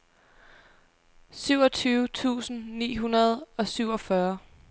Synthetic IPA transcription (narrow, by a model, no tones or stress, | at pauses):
syʊ̰ɒ̽t͡sʰyːʊt͡sʰṵːsn̩nḭːɦunɐð̞ˠɒ̽syʊɒ̽fɶɐ